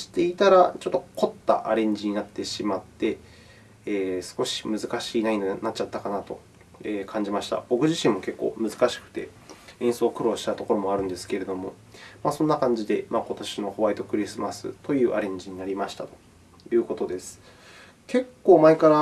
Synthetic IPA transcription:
i̥t̪e̞it̪aɾat͡ɕo̞t̪ːo̞ko̞t̪ːa̰ʔaɾẽ̞ɲ̟d͡ʑiɲ̟inat̪ːe̞ɕimat̪ːe̞ | eːsɨ̥ko̞ɕi̥mɯ̟zɨkaɕiːnainonat͡ɕat̪ːakanat̪o̞ | eːkʰãɲ̟d͡ʑimaɕi̥t̪a̰bo̞kɯ̟ʑiɕĩmːo̞ke̞kːo̞̰ːmɯ̟zɨkaɕi̥kɯ̟̥t̪e̞̰ | ẽɰ̃so̞ːkɯ̟ɾo̞ːɕi̥t̪at̪o̞ko̞ɾo̞mo̞aɾɯ̟nd̪e̞sɨ̥ke̞ɾe̞d̪o̞mo̞ | masõ̞nːakãɲ̟d͡ʑid̪e̞mako̞t̪oɕino̞ho̞βait̪o̞kɯ̟ɾʲisɨmasɨ̰t̪o̞jɯ̟ːʔaɾẽ̞ɲ̟d͡ʑiɲ̟inaɾʲimaɕi̥t̪at̪o̞̥ | jɯ̟ːko̞t̪o̞d̪e̞sɨ̥ | ke̞kːo̞ːmaekaɾa

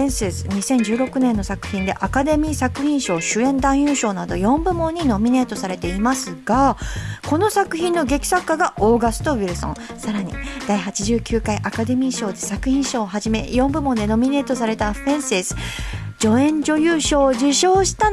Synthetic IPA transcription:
ẽɰ̃sesɨ̥ɲ̟isẽ̞ɲ̟d͡ʑɨːɾo̞kɯ̟nẽ̞nːo̞sakɯ̟̥çĩnd̪e̞ʔakad̪e̞mʲiːsakɯ̟çĩɰ̃ɕo̞ːɕɨẽ̞nd̪ãɰ̃jɯ̟ːɕo̞ːnad̪o̞jõ̞mbɯ̟mõ̞ɲ̟ːino̞mʲine̞ːt̪o̞saɾe̞t̪e̞imasɨɡ̥ako̞no̞sakɯ̟çĩnːo̞ɡe̞kʲi̥sakːaɡaʔoːɡasɨ̥t̪o̞βiɾɯ̟sõ̞ | saɾaɲ̟ḭd̪̥aiɦat͡ɕiʑɨːkʲɨːkaiʔakad̪e̞mʲiːɕo̞ːd̪e̞sakɯ̟çĩɰ̃ɕo̞ːɦaʑime̞̰jõ̞mbɯ̟mõ̞nd̪e̞no̞mʲine̞ːt̪o̞saɾe̞t̪aɸẽ̞ɰ̃sesɨ̥ | d͡ʑo̞ẽ̞ɲ̟d͡ʑo̞jɯ̟ːɕo̞ːd͡ʑiɕo̞ːɕi̥t̪a

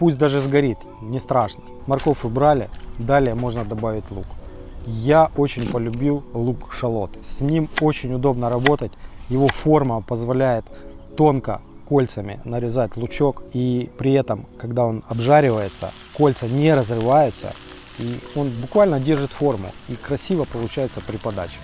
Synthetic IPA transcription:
pusʲt̚ʲd̪aʐɨzɡɐɾʲit̪ | nʲɪst̪ɾaʂnə̥ | mɐrko̞fɨbɾalʲɪ̰d̪alʲɪjəmo̞ʐnəd̪ɐbavʲɪtʲlˠuk | jaʔo̞t͡ɕɪnʲpəlʲʊbʲilˠlˠukʂɐlˠo̞t̪sʲnʲimo̞t͡ɕɪnʲʊd̪o̞bnəɾɐbo̞t̪ətʲjɪvo̞fo̞rməpəzvɐlʲæjɪt̪ː | o̞nkə̰ | ko̞lʲt̪səmʲɪ̰nəɾʲɪzat̚ʲlˠʊt͡ɕo̞kipɾʲɪɛt̪əmkɐɡd̪ao̞nɐbʐaɾʲɪvəjɪt̪sə̰ | ko̞lʲt̪sənʲeɾəzrɨvajʊt̪sə̰ | io̞nbʊkvalʲnədʲe̞rʐɨt̪fo̞rmʊ̰ikɾɐsʲivəpəlˠʊt͡ɕæjɪt̪səpɾʲɪpɐd̪a̰t͡ɕɪ̥

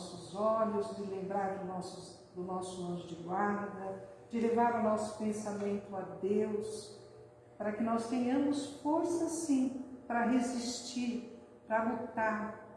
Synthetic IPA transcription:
sʊzɔʎʊzd͡ʒɪlẽmbɾaɾd̪ʊnɔsʊ | d̪ʊnɔsʊɐ̃ʒʊd͡ʒɪɡwaɾd̪ɐ | d͡ʒɪlevaɾaʊnɔsʊ̥pẽsamẽnt̪ʊad̪ews | paɾɐkɪnɔst̪ẽɲɐ̃mʊsfoɾsɐsĩpɾɐɦezist͡ʃiɾ | pɾɐbot̪aɾ

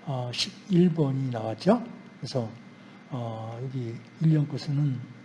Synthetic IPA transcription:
ʌɕʰibiɭbʌɲinaɡat͡ɕokɯɾesʰʌː | jʌɡi | iʎːʌnk͈osʰɯnɯn

